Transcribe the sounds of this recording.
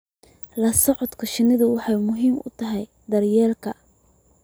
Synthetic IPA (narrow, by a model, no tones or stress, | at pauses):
lɐsɔʕɔd̪kʰɔʃɪnɪðʊwɑħɑjmʊɦiːmʔʊ̰t̪ʰɐɦɛj | d̪ɐrjɛːlkʰɐ